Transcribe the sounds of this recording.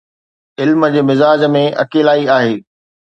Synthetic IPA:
ɪlməd͡ʑeːmɪzaːd͡ʑmẽʔɐ̰keːlaːiaːɦeː

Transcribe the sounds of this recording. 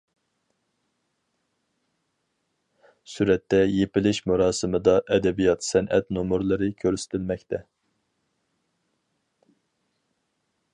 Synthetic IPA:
syɾɛt̪ːɛjepɪlɪʃmuɾɑːsɨmɨd̪ɑʔɛd̪ɛbijɑt̪sɛnʔɛ̰t̪nomuɾlˠɨɾɨkʲʰøɾsɪ̥t̪ʰɪlmɛkʲt̪ʰɛ

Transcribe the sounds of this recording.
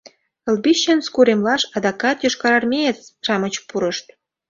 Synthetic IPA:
ə̆lbiɕːənskuɾemlɑʃɑd̪ɑkɑt̪joʃkɑɾɑrmʲeesʃɑmət͡ɕpuɾəʃt̪̚

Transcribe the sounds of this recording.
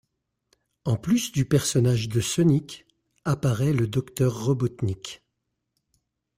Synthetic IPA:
ɑ̃plysd̪ypɛʁsɔnaʒd̪əsɔnik | apaʁɛləd̪ɔkt̪œʁːɔbɔt̪nik

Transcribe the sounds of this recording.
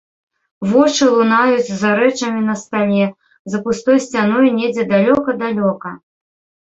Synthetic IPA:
vɔt͡ʂɨlˠunajut͡sʲzaɾɛt͡ʂɐmʲin̪ɐst̪alʲɛ | zɐpust̪ɔjsʲt͡sʲan̪ɔjnʲɛd͡zʲɛd̪alʲɔkɐd̪alʲɔkɐ

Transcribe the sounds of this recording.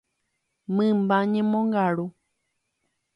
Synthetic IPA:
mɨ̃mbaɲẽmõŋɡaɾu

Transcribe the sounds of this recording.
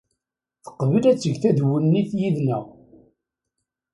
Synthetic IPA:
θə̥qːvəlæt͡sːəʝθæðwənːiθjiðnəʁ

